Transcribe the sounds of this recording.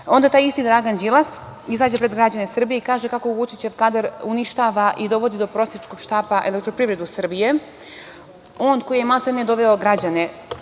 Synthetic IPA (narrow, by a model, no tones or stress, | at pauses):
o̞nd̪at̪aːjist̪id̪ɾaɡand͡ʒilˠas | izaːd͡ʑe̞pɾed̪ɡɾad͡ʑanesr̩bijeikaːʒe̞kakoʋut͡ʃit͡ɕe̞ʋkad̪aɾuniʃt̪aːʋaʔid̪o̞ʋo̞d̪id̪o̞pɾo̞sjet͡ʃko̞ɡ̥ʃt̪aːpaʔe̞lekt̪ɾo̞pɾiʋɾe̞d̪usr̩bije̞ | o̞ːnko̞jijemat̪ened̪o̞ʋe̞oɡɾad͡ʑane